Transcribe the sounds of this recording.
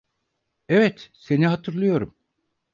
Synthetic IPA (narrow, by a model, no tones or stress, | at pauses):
evɛt̪se̞niɦat̪ʰɯɾlˠɯjo̞ɾum